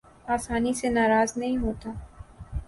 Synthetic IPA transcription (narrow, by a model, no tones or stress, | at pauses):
aːsaːnisenaːɾaːznɐɦĩɦoːt̪aː